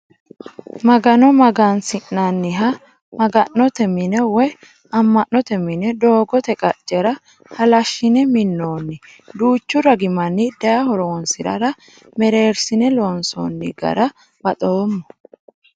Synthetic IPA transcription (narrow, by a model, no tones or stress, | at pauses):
mɐɡɐnɔmɐɡansɪʔnanːɪɦɐ | mɐɡɐʔːɔt̪ɛmɪnɛwɔj | ɐmːɐʔːɔt̪ɛmɪnɛd̪o̞ːɡɔt̪ɛkʼɐt͡ʃʼːɛɾɐ | hɐlɐʃːɪnɛmɪnːoːnːɪ | d̪uːt͡ʃːʊɾɐɡɪmɐnːɪd̪ɐjɐhɔɾoɔnsɪɾɐ̰ɾɐ | mɛɾe̞ːɾsɪnɛloːnso̰nːɪɡɐ̰ɾɐ | b̥ɐt̪ʼoːmːɔ